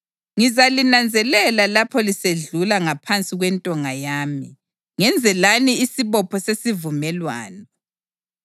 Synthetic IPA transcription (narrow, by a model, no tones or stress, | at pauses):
ŋizalinand͡zʱɛlɛlalapʰɔliseɮulaŋapʰant͡sʼiɣwɛntʼɔŋajaːmi | ŋɛnd͡zʱɛlaniːsiβɔpʰɔsesivumɛlwa̰ːnɔ